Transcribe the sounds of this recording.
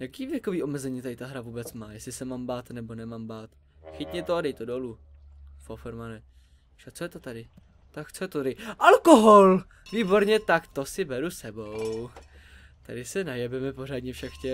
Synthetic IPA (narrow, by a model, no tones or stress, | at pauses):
jakiːvjɛkoviːʔo̞mɛzɛɲiːt̪adɪt̪aɦɾavuːbɛt͡smaːjɛslɪsɛmaːmbaːt̪nɛbo̞nɛmaːmbaːt̪ | xɪt̪ɲɛt̪odɛjt̪odolu | fofɛɾmanɛ | ʃakt͡sojɛt̪ot̪adɪ | t̪akt͡sojɛt̪ot̪adɪʔalko̞ɦol | viːbo̞ɾɲɛt̪akt̪o̞sɪbɛɾusɛbow | t̪adɪsɛnajɛbɛmɛpo̞ɾaːd̪ɲɛfʃɛkxcɛ